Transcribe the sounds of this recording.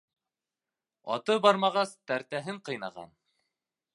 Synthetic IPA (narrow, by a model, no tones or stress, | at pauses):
ɑ̰t̪ɤbɑɾmɑʁɑst̪æɾt̪æɦɘɴqɤ̆jnɑʁɑ̰n